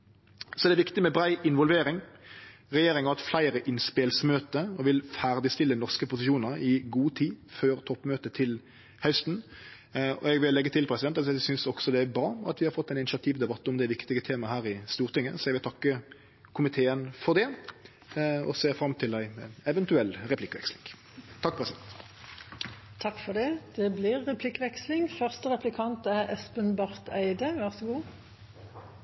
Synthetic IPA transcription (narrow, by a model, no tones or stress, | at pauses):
sɔd̪ɛʋɪkt̪ɪmɛbɾæɪʔɪnʋɔlʋeːɾɪŋ | ʁɛjeːɾɪŋɑɛt̪flæɪɾəʔɪnspelsmøːt̪əɔʋɪlfæʁd̪ɪst̪ɪlːənɔʁskəpʊsɪʃuːnəɾɪɡuːt̪ʰiːføːɾt̪ʰɔpːmøːt̪ət̪ʰɪl | hœst̪n̩ | ɔ̰ɛɡʋɪlːɛɡːət̪ʰɪlpʰɾɛsɪd̪ɛnssʏnsɔɡsɔd̪ɛæbɾɑːɑ̰t̪ʋɪhɑɾfɔt̪ːæɪnɪnɪʃɑt̪ʰiːʋd̪ɛbɑt̪ːɔmd̪ɛʋɪkt̪ɪɡət̪ʰeːmɑhæːɾɪst̪uːʁt̪ɪŋːə̰sɔɛʋɪlt̪ʰɑkːə | kʰʊmɪt̪ʰeːənfɔʁd̪ɛ | ɔ̰seːfɾɑmt̪ʰɪlæɪɛʋənt̪ʉɛlːʁɛplɪkːʋɛ̰kslɪ̰ŋ | t̪ʰɑk̚ːpʰʁɛsɪd̪ɛ̰nt̪ | t̪ʰɑkːfɔd̪ɛd̪̥ɛblɪʁɛpʰlɪkːʋɛkslɪŋfœʁst̪əʁɛplɪkʰɑnt̪æʁɛspənbɑʁt̪æɪd̪əʋæʁsəɡuː